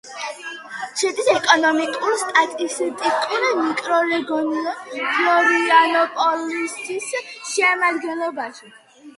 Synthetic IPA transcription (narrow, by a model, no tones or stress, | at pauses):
t͡ʃʰɛd̪isɛkʼɔnɔmikʼuɾst̪ʼat̪ʼist̪ʼikʼuɾimikʼɾɔɾɛɡɔnipʰlɔɾianɔpʼɔlist̪isʃɛmad̪ɡɛnlˠɔbaʃi